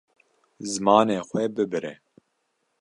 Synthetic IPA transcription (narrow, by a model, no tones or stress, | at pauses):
zɨmɑːneːxʷwɛbɨbɨɾɛ